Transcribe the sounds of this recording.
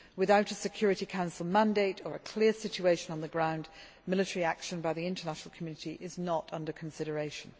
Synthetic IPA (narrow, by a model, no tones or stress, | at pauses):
wɨðaʊɾəsɨkʰj̥ɔɹɨɾikʰãʊ̃nsəl̩ˠmæ̃ndeɪɾə˞ɨkʰl̥ɪɹsɪt͡ʃueɪʃɨ̃nə̃nðɨɡɹãʊ̃n | mɪlˠɨtəɹiækʃə̃nbaɪðiɪ̃ntə˞næʃn̩əl̩ˠkʰmjʉnɨtiʔɪznəɾʌ̃ndə˞kʰn̩sɪɾə˞eɪʃə̃n̩